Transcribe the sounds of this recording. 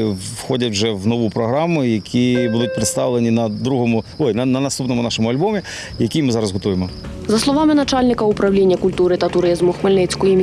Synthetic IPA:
wxɔdʲɐtʲwʒɛwnɔʋupɾɔɦɾɑmʊjɐkʲʰibud̪ʊt̚ʲpɾɪt̪st̪ɑʋlˠenʲinɐd̪ɾuɦɔmʊɔjnɐnɐnɐst̪upnɔmʊnɑʃɔmʊɐlʲbɔmʲi | jɐkʲimɪzɑɾɐszɦɔt̪ujemɔ | zɐslˠɔʋamɪnɐt͡ʂalʲnʲɪkɐupɾɐwlʲenʲːɐkulʲt̪uɾɨt̪ɐt̪ʊɾɪzmʊxmelʲnɛt͡sʲkʊimʲ

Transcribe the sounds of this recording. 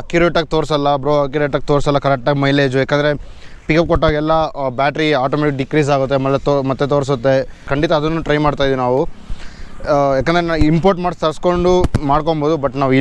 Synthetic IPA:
kjuɾeʈɐɡ̚t̪oːɾsɐlːɐbɾoːɐkjuɾeʈɐk̚ːt̪oːɾsɐlːɐkɐɾɛk̚ʈaːɡmɐjleːd͡ʒujaːkːend̪ɐɾe̞ | pikɐp̚koʈːoːɡɛlːɐbaːʈɐɾiaːʈoːmɛeʈik̚ɖikɾiːs̬aːɡut̪ːeɐmɐlːet̪omɐt̪ːet̪oːɾs̬ut̪ːe̞kɐɳɖit̪ɐːd̪ɐnːuːʈɾɐjmaːɽt̪aːjd̪iinaːʋu | jaːkend̪ɐɾenaːimpoːɾʈmaːɖst̪ɐɾsko̞ɳɖumaːɽkomboːd̪ubɐʈnaːʋui

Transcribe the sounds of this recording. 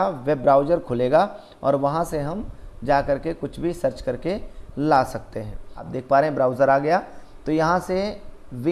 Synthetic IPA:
aʋɛbːɾaːʊd͡ʒəɾkʰʊleːɡa | ɔ̰ːɾʋɐɦãseɦɐmd͡ʒaːkɐɾkekʊt͡ʃʰbʱisɐɾt͡ʃkɐɾkelaːsɐk̚t̪eɦɛ̃ːa̰ːp̚d̪eːk̚ʰpaːɾẽɦɛ̃bɾaːʊd͡ʒəɾaːɡɐja | t̪ojɐɦãseʋɪ

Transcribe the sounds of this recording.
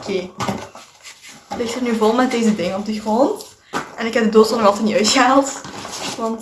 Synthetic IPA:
kʰeː | lɪxtərnyvolˠmɛt̚deːzədɪŋənɔm̚təxroːn | ʔɛnɪkɦɛb̚dədoːtsɔnɑlˠtɛtniʔœɥtxəɦaːlˠtʋɑnt

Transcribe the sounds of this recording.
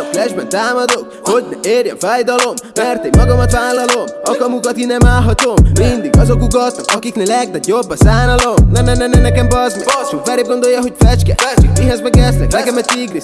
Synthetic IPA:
ɒflɛʒbɛnt̪aːmɒd̪ok | ho̞ɟnɛeːrjɛ̰ɱfaːjd̪ɒlo̞mmɛrt̪emmɒɡɒmɒt̪ʋaːlːɒlo̞mɒkɒmukɒt̪inɛmaːlɦɒt̪o̞mːind̪iɡɒzo̞kuɡɒt̪ːɒkɒkiknɛlɛɡ̚d̪ɛjobːɒsaːnɒlomnɛnɛnɛnɛnɛkɛmbɒznḭsofɛɾeːb̚ɡo̞nd̪o̞jːɒɦo̞ɟfɛt͡ʃkɛ̰t͡ʃikmiɦɛzbɛkɛslɛ̰knɛkɛmɛtiɡɾi

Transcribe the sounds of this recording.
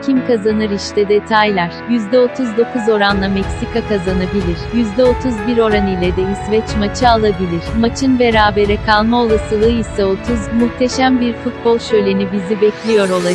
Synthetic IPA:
cʰimkʰazanɯɾiʃt̪ʰɛd̪e̞t̪ʰajlʲæɾ̥jyzd̪ɛo̞t̪ʰuzd̪o̞kʰuzo̞ɾanlˠamɛcsikakazanabilʲiɾ̥jyzd̪ɛo̞t̪ʰuzbiɾo̞ɾanijlʲɛd̪ɛisvɛt͡ʃmat͡ʃʰɯalˠabilʲiɾ̥mat͡ʃʰɯnbe̞ɾaːbe̞ɾɛkʰalˠmao̞lˠasɯlˠɯːisɛo̞t̪ʰuzmuxt̪ʰe̞ʃæmbiɾfut̪̚bo̞lˠʃø̞jlʲe̞nibizibɛclʲijo̞ɾo̞lˠa

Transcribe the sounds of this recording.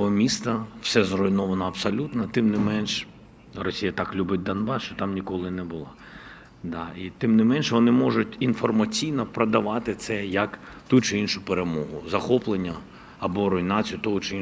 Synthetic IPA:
ɔmʲist̪ɐw̥sɛzrɔjnɔʋɐnɐɐbsɔlʲut̪nɐt̪ɪmnɪmɛnʃ | rɔsʲijɐt̪ɑklʲubɪt̚ʲd̪ɐnbɑsʃt͡ʃɔt̪ɑmnʲikɔlˠɪnɛbʊlˠɑ | d̪ɑit̪ɪmnɪmɛnʃʋɔnɪmɔʒʊtʲinfɔrmɐt͡sʲijnɔpɾɐd̪ɐʋɑt̪ɪt̪sɛjɐk | t̪ut͡ʃɪinʃʊpeɾemɔɦʊzɐxɔplˠenʲːɐ | ɐbɔɾɔjnɑt͡sʲijʊt̪ɔɦʊt͡ʃɪi

